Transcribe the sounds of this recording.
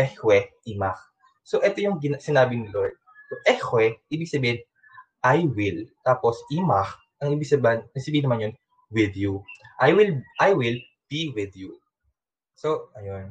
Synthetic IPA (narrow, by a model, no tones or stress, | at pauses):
ʔɛhwɛʔimak̚ | soʔɛt̪ojʊŋɡɪnsɪnaːbɪnɪlojd̪̚ | t̪oʔɛhwɛʔiːbɪɡ̚sɐbiːhɪn | ʔajwɪlt̪aːposʔimak̚ | ʔɐŋʔiːbɪɡsɐbnnɐɡ̚sɐbiːhɪnːɐmanjon | wɪðjuʔajwɪlʔajwɪl | b̥iwɪðju | soʔɐjon